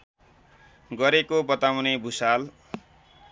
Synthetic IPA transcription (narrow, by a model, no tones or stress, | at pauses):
ɡʌɾekobʌt̪awnebʱusal